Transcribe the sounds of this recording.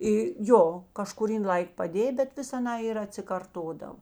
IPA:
ɪ ˈjoː kɐʃkʊˈrʲiːn ˈlˠɐɪk pɐˈdʲeː bʲɛt ˈʋʲɪs ɐˈnɑː ɪr ɐtʲsʲɪkɐrˈtoːdɐw

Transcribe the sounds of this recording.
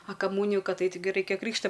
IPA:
ɐ kɐˈmuːnʲɪjʊ ˈkɐt ˈɐɪt tɐɪˈɡʲɪ ˈrɐɪkʲɛ ˈkrʲiːkʃtɐ

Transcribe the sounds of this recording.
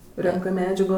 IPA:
ˈrʲɛŋkɜ ˈmʲæːd͡ʒɐɡoː

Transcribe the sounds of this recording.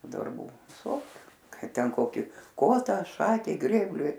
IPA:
dɐrˈbuː ʋʲɪˈsoːkʲʊ ˈkɐɪ ˈtʲɛn ˈkoːkʲiː ˈkoːtɐ ˈʃɑːkʲɛɪ ˈɡrʲeːbʲlʲʊɪ

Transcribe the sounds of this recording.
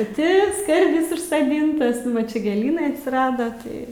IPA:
pɐˈtʲɪ ˈskɐrʲdʲɪs ʊʃsɐˈdʲɪntɐs ˈnʊ ʋɐ ˈt͡ʃʲɛ ɡʲeːˈlʲiːnɐɪ ɐtʲsʲɪˈrɑːdɐ tɐɪ

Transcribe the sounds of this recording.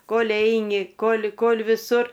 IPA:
ˈkoːlʲ ˈɛɪnʲɪ ˈkoːlʲ ˈkoːlʲ ʋʲɪˈsʊr

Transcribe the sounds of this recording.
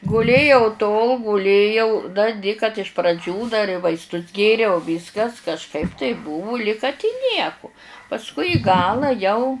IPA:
ɡʊˈlʲeːjɛʊ toːlˠ ɡʊˈlʲeːjɛʊ dɐ dʲɪ kɐt ɪʃ prɐˈd͡ʒʲuː dɐr ɪ ʋɐɪsˈtʊs ˈɡʲeːrʲɛʊ ˈʋʲiːskɐs kɐʃˈkɐɪp tɐɪp ˈbʊʋʊ lʲɪk kɐt ɪ ˈnʲiɛkʊ pɐsˈkʊɪ ɪ ˈɡɑːlˠɐ jɛʊ

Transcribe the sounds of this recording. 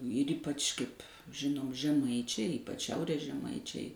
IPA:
ɪr ˈiːpɐt͡ʃ kɐɪpʲ ˈʒʲɪnoːm ʒʲɛˈmɐɪt͡ʃʲɛɪ ˈiːpɐt͡ʃ ˈʃʲɛʊrʲeːs ʒʲɛˈmɐɪt͡ʃʲɛɪ

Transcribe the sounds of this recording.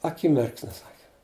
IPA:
ɐˈkʲɪmʲɪrksʲnʲʊ ˈsɑːkʲɪ

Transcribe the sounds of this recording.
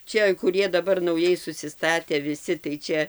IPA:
ˈt͡ʃʲɛ kʊˈrʲiɛ dɐˈbɐr nɐʊˈjɛɪ sʊsʲɪˈstɑːtʲæː ʋʲɪˈsʲɪ tɐɪ ˈt͡ʃʲɛ

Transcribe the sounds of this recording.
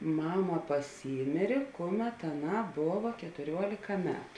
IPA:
ˈmɑːmɐ pɐˈsʲiːmʲeːrʲeː ˈkʊˌmʲɛt ɐˈnɑː ˈboːʋɐ kʲɛtʊˈrʲuɔlʲeːkɐ ˈmʲæːtʊ

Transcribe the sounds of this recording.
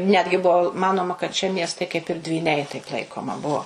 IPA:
ˈnʲæːdʲɡʲɪ ˈbuɔ ˈmɑːnoːmɐ kɐt ʃʲiɛ ˈmʲiɛstɐɪ kɐɪp ɪr dʲʋʲiːˈnʲɛɪ tɐɪp ˈlˠɐɪkoːmɐ ˈbuɔ

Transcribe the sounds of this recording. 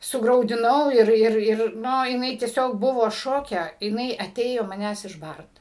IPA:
sʊɡrɐʊdʲɪˈnɐʊ ˈɪr ˈɪr ˈɪr ˈnʊ jɪˈnɐɪ tʲiɛˈsʲoːk ˈbʊʋoː ˈʃoːkʲɛ jɪˈnɐɪ ɐˈtʲeːjoː mɐˈnʲæːs ɪʒˈbɐrt

